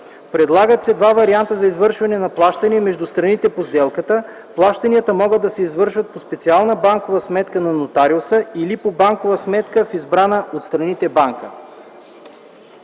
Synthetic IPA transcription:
pɾɛd̪lˠaɡət̪sɛd̪vavɐɾiant̪əzɐizvɤɾʃvɐnɛnɐplˠaʃt̪ɐniɛmɛʒd̪ʊst̪ɾɐnit̪ɛpozd̪ɛlˠkət̪ə | plˠaʃt̪ɐniət̪əmɔɡəd̪ːɐsɛizvɤɾʃvɐt̪̚pospɛt̪sialˠnəbaŋkovəsmɛt̪kənɐnot̪aɾiosəilipobaŋkovəsmɛt̪kəfizbɾanəʔot̪st̪ɾɐnit̪ɛbaŋkə

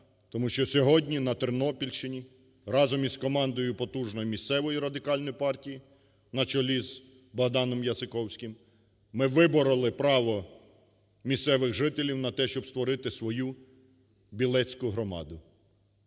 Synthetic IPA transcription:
t̪ɔmuʃt͡ʃɔsʲɔɦɔdʲnʲinɐt̪ɪrnɔpʲilʲʃɪnʲi | rɑzɔmizkɔmɑnd̪ɔjʊpɔt̪uʒnɔjimʲist̪sɛʋɔjiɾɐd̪ɪkɑlʲnɔjipɑrtʲiji | nɐt͡ʃɔlʲiz | bɐɦd̪ɑnɔmjɐzɪkɔwsʲkɪm | mɪʋɪbɔɾɐlˠɪpɾɑʋɔ | mʲist̪sɛʋɪɣʒɪt̪ɪlʲiwnɐt̪ɛʃt͡ʃɔbst̪ʋɔɾɪt̪ɪsʋɔju | bʲilˠɛt͡sʲkʊɦɾɔmɑ̰d̪ʊ

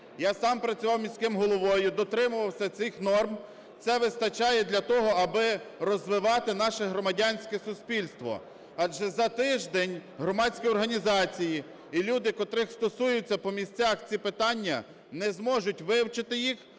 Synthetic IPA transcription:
jasɑmpɾɐt͡sʲʊʋɑwmʲisʲkɪmɦɔlˠɔʋɔjʊd̪ɔt̪ɾɪmʊʋɐwsʲɐsɪxnɔrm | t̪sɛʋɪst̪ɐt͡ʃɑjɛd̪lʲɐt̪ɔɦɔɐbɪɾɔzʋɪʋɑt̪ɪn̪ɑʃɛɦɾɔmɐdʲanʲsʲkɛsʊsʲpʲilʲst̪ʋɔ̰ | ɑd͡ʒɛzɐt̪ɪʒd̪ɛnʲɦɾɔmɑdʲsʲkijɔrɦɐnʲizɑt͡sʲiji | ilʲud̪ɪkɔt̪ɾɪxst̪ɔsujʊt͡sʲːɐpɔmʲisʲt͡sʲaxt͡sʲipɪt̪ɑnʲːɐ | nɛzmɔʒʊtʲʋɪwt͡ʃɪt̪ɪjix

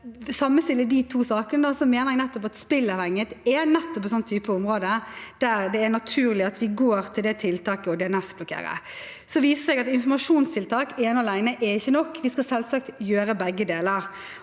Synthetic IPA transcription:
sɑmːəst̪ɪlːəd̪ɪt̪ʰuːsɑːkənəd̪osɔmeːnəɾɛɡnɛt̪ːɔpɑt̪spɪlːɑʋhɛŋːət̪ɛnɛt̪ːɔpɛt̪sɔnt̪ʰyːpəʊmɾoːd̪əd̪̥æɾd̪ɛːnɑt̪ʰʉːɾlɪɑt̪ʋɪɡoːɾt̪ʰɪld̪ɛt̪ʰɪlt̪ʰɑːkəɔd̪ɛɛnɛsblʊkʰḛːɾə̰ | sɔʋiːsəsɛɡɑt̪ɪnfɔmɑʂuːnst̪ʰɪlt̪ʰɑːkɛɛnʊɑlæɪnəʔɛɾɪçːənɔkːʋɪskɑsɛlsɑk̚t̪jøːɾəbɛɡːəd̪eːləɾ

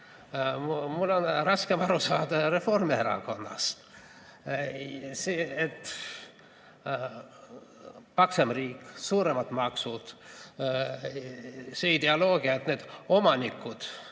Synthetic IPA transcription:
mulːo̞nrɑskemɑɾusɑːd̪̥ɑɾe̞fo̞rmieɾɑ̰ko̞nːɑ̰st̪ | seet̪ː | pɑksemriːkːˑsuːɾe̞mɑt̪mɑksud̪̥ | seid̪̥e̞ɑlo̞ːɡ̥iɑet̪ne̞d̪̥o̞mɑnikːˑud̪̥

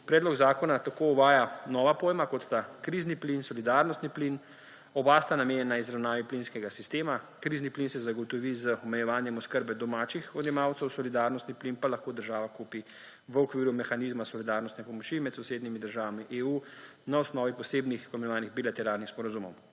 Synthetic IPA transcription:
pɾɛːd̪lɔɡzaːkɔnat̪akouʋaːjanɔːʋapoːjmakɔt̪st̪akɾiːzniplinsɔlid̪aːɾnɔst̪niplin | ɔbast̪anameːnʲjɛnːaizɾawnaːʋiplinskɛɡasist̪eːmakɾizniplinsɛzaɡɔt̪ɔʋizəɔmɛjɛʋaːnjɛmɔskəɾbɛd̪ɔmaːt͡ʃixɔd̪njɛmawt̪sɛwsɔlid̪aɾnɔst̪niplinpalaxkoːd̪əɾʒaːʋakupi | ʋəɔkʋiːɾumɛxaniːzmasɔlid̪aɾnɔst̪nɛpɔmɔt͡ʃimɛt̪sɔwseːd̪nimid̪əɾʒaːʋamiʔeːu | naɔsnɔːʋipɔseːbnixɔmɛjɛʋaːniɣbilat̪ɛɾaːlnixspɔɾazumɔ̰w

